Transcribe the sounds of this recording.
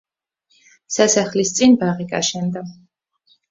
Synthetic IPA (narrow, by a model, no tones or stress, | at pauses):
sasaχlist̪sʼinbaʁiɡa̰ʃɛnd̪a